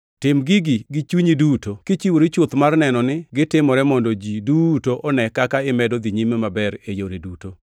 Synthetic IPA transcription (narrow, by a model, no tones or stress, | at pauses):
tɪmɡɪɡiɡɪt͡ʃuɲidutokit͡ʃiwoɾit͡ʃot̪marnɛnɔnɪɡɪtɪmɔɾɛmɔndɔd͡ʒidutoʔɔnɛkakaɪmɛdɔd̪iɲimemabɛɾejoɾeduto